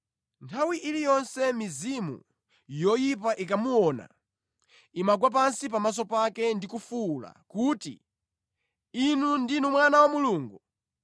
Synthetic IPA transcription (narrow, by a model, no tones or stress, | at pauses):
ntʰawiʔilijɔnsɛmizimṵ | jɔjipaʔikamuwɔna̰ | imaɡ̬wapansipamas̬ɔpakɛndikufula̰kutḭ | inundinumwanawamuluːŋɡu